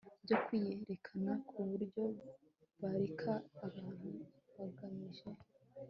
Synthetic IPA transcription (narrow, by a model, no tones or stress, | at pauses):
bɟo̞kwijeɾe̞kʰanakʰuβuɾɟo̞ | βaɾikʰaːβaːn̥hu | βaɡaɲiʒe̞